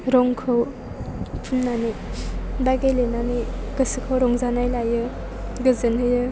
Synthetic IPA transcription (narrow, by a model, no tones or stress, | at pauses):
ɾɔŋkʰɯw | pʰunːani | baɡelenaniɡɯsɯkʰawɾɔŋzanajlajɯ | ɡɯzɯnɦɯjɯ